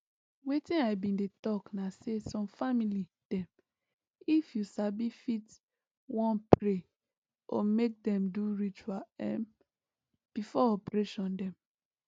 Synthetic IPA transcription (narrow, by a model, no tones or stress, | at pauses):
wetĩnaɪbĩndetɔknasesɔ̃mfamili | d̥ɛ̃m | ifjusabifit | wɔ̃npɹe | ʔɔ̰mek̚dɛ̃mduɹit͡ʃuaɛ̰̃n | b̥ifɔɔpɹeʃɔ̃ndɛ̃m